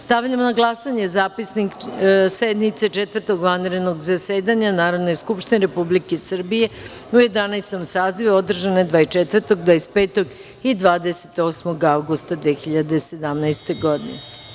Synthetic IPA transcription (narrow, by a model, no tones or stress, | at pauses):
st̪aʋʎamonaɡlˠasaɲe̞zaːpisniksed̪nit̪set͡ʃet̪ʋvərɾt̪o̞ɡʋanɾed̪no̞ɡzaseːd̪aɲanaːɾoʋnojskupʃt̪ineɾepublikesr̩bije̞uje̞d̪anajst̪o̞msaːziʋuod̪r̩ʒaned̪ʋaːjt͡ʃet̪ʋərt̪o̞ɡd̪ʋaːespeːt̪o̞ɡ | id̪ʋaːd̪eset̪o̞ːsmo̞ɡawɡust̪ad̪ʋeːxiʎad̪e̞se̞d̪amnajst̪e̞ɡod̪ḭnḛ